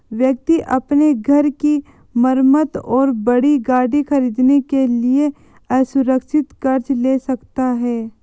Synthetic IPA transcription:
ʋjək̚t̪iʔɐpneɡʱɐɾki | məɾmət̪ɔːɾbɐɽiɡaːɽixɐɾiːd̪nekelie | ɛːsʊɾəkʃɪt̪kɐɾt͡ʃleːsɐkt̪aɦɛː

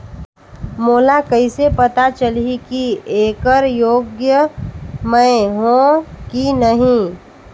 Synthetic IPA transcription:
moːlakəisepɐt̪at͡ʃəlikieːkəɾjoːɡjəmə̃ɪɦõkinəɦĩ

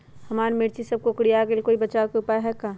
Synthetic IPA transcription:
hɐmaːɾmɪɾt͡ʃisɐb̚kokɽijakelkoːibɐt͡ʃaːokeʊpaːeɦɛkaː

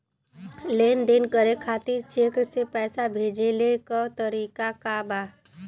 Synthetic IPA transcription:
leːnd̪enkəɾekʰaːt̪ɪɾt͡ʃeːksepɛːsabʱeːd͡ʒelekət̪əɾiːkakaba

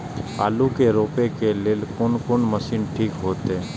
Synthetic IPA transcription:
a̰ːlukeɾoːpekeleːlkʊnkʊnməsiːnʈʰiːkɦoːt̪eɛ

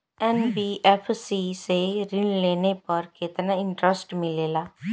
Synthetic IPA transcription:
ɛnbiːʔɛpʰsiːseɾɪnleːnepəɾkɪt̪nãɪ̃ɳʈɾəsʈmɪleːlaː

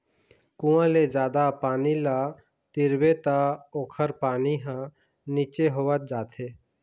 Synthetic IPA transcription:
kũãled͡ʒaːd̪apaːnila | t̪ɪɾbet̪aoːkʰəɾpaːniɦã | niːt͡ʃeɦoʋət̪̚d͡ʒaːt̪ʰeː

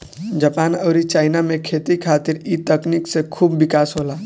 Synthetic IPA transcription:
d͡ʒaːpaːnəːɾit͡ʃaːɪnamẽkʰeːt̪ikʰaːt̪ɪɾiːt̪ɐkniksekʰuːbːɪkaːsɦoːlaː

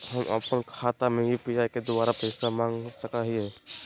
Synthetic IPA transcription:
ɦɐma̰pənkʰaːt̪amẽjipijaked̪ʊbaːɾapeːsamãːŋɡsəkaɦiɦɛː

